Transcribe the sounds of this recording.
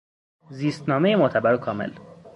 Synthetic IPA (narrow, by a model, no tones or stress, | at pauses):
ziːst̪nɒːmejemot̪ʰæbæɾokʰɒːmḛl